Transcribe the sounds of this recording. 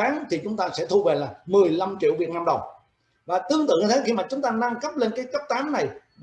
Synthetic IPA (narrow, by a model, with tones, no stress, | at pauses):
aː˨˦ŋt̪ʰi˨˩t͡ɕʊ˨˦ŋ͡mt̪aː˧sɛ̰˧˥t̪ʰu˧ve˨˩laː˨˩mɨ˨˩əjla˧mt͡ɕḭ˧˨əwvi˨˩ət̚na˧mɗə˨˩wŋ͡m | vaː˨˩t̪ɨ˧əŋt̪ɨ̰˧˨ŋi˨˩t̪ʰe˨˦xi˧maː˨˩t͡ɕʊ˨˦ŋ͡mt̪aː˧na˧ŋkə˦˥p̚le˧nkaː˨˦jkə˦˥p̚t̪aː˨˦mna˨˩j